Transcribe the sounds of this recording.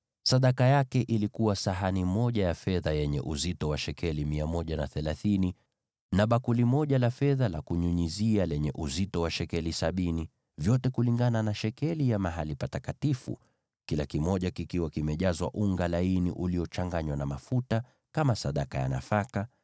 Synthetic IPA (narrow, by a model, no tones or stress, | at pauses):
saɗakajakɛʔilikuwasaɦanimɔʄajafɛðajɛɲɛ̰ʔuzitɔwaʃɛkʰɛlimiamɔʄanaθɛlaθini | naɓakulimɔʄalafɛðalakuɲuɲizialɛɲɛʔuzitɔwaʃɛkɛlisaɓini | vjɔtɛkuliŋɡananaʃɛkɛlijamaɦalipatakatifṵ | kilakimɔʄakikiwakimɛʄazwa̰ʔuŋɡalainiʔuliɔt͡ʃaŋɡaɲwanamafuta | kamasaɗakaja̰na̰faka